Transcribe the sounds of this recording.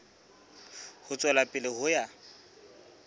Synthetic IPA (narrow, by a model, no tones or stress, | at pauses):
hʊt͡sʼwɛlapʼɪlɪhʊja